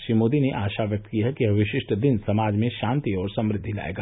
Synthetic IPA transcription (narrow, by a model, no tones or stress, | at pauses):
ʃɾimoːd̪ineʔaːʃaʋjɐk̚t̪kijaɦɛkiɦɐʋɪʃɪʃʈd̪ɪnsɐmaːd͡ʒmẽʃãːnt̪iɔːɾsɐ̃mɾɪd̪ʱːila̰ːḛːɡaː